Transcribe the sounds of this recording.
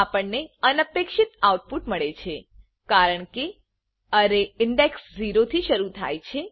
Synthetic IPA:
apəɳneənəpekʃɪt̪awʈ̚puʈməɭet͡ʃʰe | kaɾəɳke | əɾeɪɳɖeksd͡ʒiɾot̪ʰiʃəɾut̪ʰa̰jt͡ʃʰe

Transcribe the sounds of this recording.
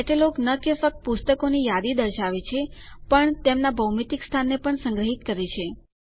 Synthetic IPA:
eʈeloknəkefək̚t̪̚pust̪əkonijad̪id̪əɾʃaʋet͡ʃʰepəɳt̪emnabʱəwmit̪ikst̪ʰanːepəɳsə̃ŋɡɾəɦit̪kəɾet͡ʃʰe

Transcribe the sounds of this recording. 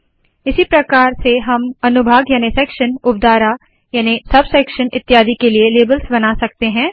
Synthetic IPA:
ɪsipɾɐkaːɾseɦɐmɐnʊbʱaːɡjaːnisɛːkʃənʊp̚d̪aːɾa | jaːnisɐbsɛːkʃənɪt̪ːjaːd̪ikelieleːbəlsbɐnasɐkt̪eɦɛ̃ː

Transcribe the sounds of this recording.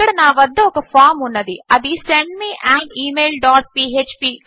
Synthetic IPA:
ɐɽɐnaːʋɐd̪ːɐɔkɐfaːɾmunːɐd̪iɐd̪iseɳɖmiːʔaːɳiːmeːlɖaːʈ̚piːeːt͡ʃpiː

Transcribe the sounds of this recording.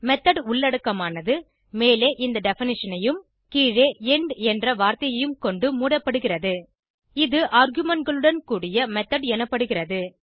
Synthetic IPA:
mɛt̪ːɐɽʊɭːɐɽɯkːɐmaːnɐðɯ | meːleːʔɪnd̪ɐɖɛfɪnɪʂɐnɐjɯm | kiːɻeːɛɳɖɛndrɐʋaːɾt̪ɐjɐjɯmkɔɳɖɯmuːɽɐpːɐɽɯɣɪrɐðɯ | ɪðɯʔaːɾɣɯmɐnɡɐɭɯɽɐnkuːɽɪjɐmɛt̪ːɐɽɛnɐpːɐɽɯɣɪrɐðɯ

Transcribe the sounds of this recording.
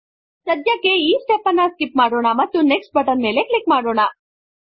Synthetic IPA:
sɐd̪jɐkːe̞iːsʈepɐnːɐskipmaːɽoːɳɐmɐt̪ːuneksʈ̚bɐʈɐnme̞ːle̞klikmaːɽoːɳɐ

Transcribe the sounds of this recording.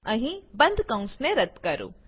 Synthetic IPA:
ɐɦĩbɐ̃nd̪ʱkɐ̃ʊ̃sneɾɐt̪kɐɾṵː

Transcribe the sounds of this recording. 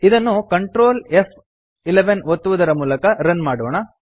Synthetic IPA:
id̪ɐnːukɐɳʈɾoːlef | ileʋenʋot̪ːuʋud̪ɐɾɐmuːlɐkɐɾɐnmaːɽoːɳɐ

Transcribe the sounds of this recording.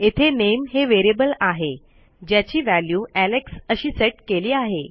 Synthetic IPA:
et̪ʰenemɦeʋeɾebəlaɦe | d͡ʑjat͡ɕiːʋæljuːæleksəɕiːseʈkeliːaɦe

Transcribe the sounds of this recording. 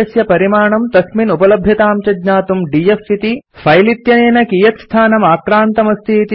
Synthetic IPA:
ɐsjɐpɐɾimaːɳɐmt̪ɐsminupɐlɐbʱjɐt̪aːmt͡ʃɐdɲaːt̪umɖiːefit̪ifʰɐjlit̪jɐneːnɐkiːjɐt̪st̪ʰaːnɐmaːkɾaːnt̪ɐmɐst̪ʰit̪i

